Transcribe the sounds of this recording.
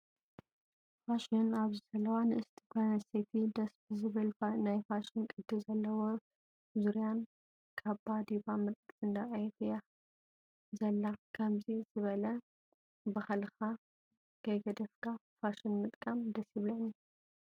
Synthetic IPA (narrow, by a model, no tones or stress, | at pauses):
faʃinaβzɨsɐlɐwanɨʔɨst̪ʰi̥ɡanɐset̪ʰid̪ɐsbɨzɨβɐlanajfaʃinkʼɨd̪ːɨzɐlːɐwo | zuɾijan | kʰɐβbad̪ibamɨt̪ʼt̪ʰʼɨnd̪aʔʼajɛt̪ʰja | zɐlːakʰɐmziz̥ɨβɐlɐ | bahlxa | ɡ̥ɐjɡɐd̪ɐfkʰafaʃɪnmɨt̪ʼkʼamd̪ɐsiβlɐni